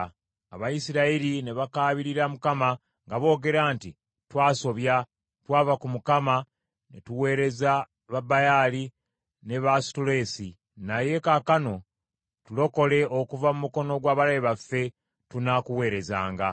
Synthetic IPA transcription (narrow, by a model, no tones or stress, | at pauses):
aβajisiɾaiɾine̞βakaːβiɾiɾamukama | ŋɡaβo̞ːɡe̞ɾaːnti | twaːso̞βja | twaːvakumukama | netuwe̞ːɾe̞za | βabajaːli | ne̞βastule̞ːsi | naje̞kakano̞ | tulo̞ko̞le̞okuvamumuko̞no̞ɡwaːβalajiβafːe̞ | tunakuwe̞ːɾe̞za̰ːŋɡa